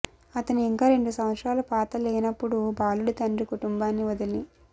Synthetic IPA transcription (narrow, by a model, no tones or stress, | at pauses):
ɐt̪ɐnuiŋkaːɾe̞ɳɖusɐmʋɐt̪sɾaːlɐpaːt̪ɐleːnɐpːuɽubʱaːluɽit̪ɐnɖɾikuʈumbaːnːiʋɐd̪ɐli